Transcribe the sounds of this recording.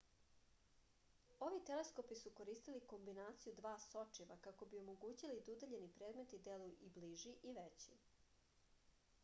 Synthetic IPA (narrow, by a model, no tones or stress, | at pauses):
o̞ʋit̪elesko̞pisuko̞ɾiːst̪iliko̞mbinaːt̪sijud̪ʋaːso̞t͡ʂiʋakako̞bio̞moɡuːt͡ɕilid̪ud̪aʎe̞nipɾeːd̪me̞t̪id̪elujuʔibliʒiʔiʋet͡ɕi